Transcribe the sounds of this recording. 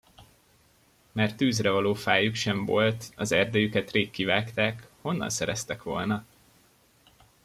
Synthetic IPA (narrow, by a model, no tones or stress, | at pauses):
mɛrt̪ːøːzrɛvɒloːfaːjukʃɛɱvo̞lt̪ɒzɛrd̪ɛjykɛt̪reːkːivaːkt̪aːkho̞nːɒ̰nsɛɾɛst̪ɛkʋo̞̰lnɒ